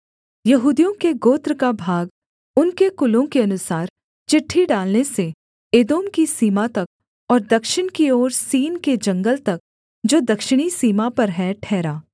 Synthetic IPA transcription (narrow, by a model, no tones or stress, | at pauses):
jɐɦuːd̪ijõkeɡoːt̪ɾkabʱaːɡ | ʊnkekʊlõkeɐnʊsaːɾ | t͡ʃɪʈʰːiɖaːlnese | eːd̪oːmkisiːmat̪ɐk̚ | ɔːɾd̪ɐkʃɪɽ̃kioːɾsiːnked͡ʒɐ̃ŋɡəlt̪ɐk̚ | d͡ʒoːd̪ɐkʃɪɽ̃isiːmapɐɾɦɛ̃ʈʰɛːɾaː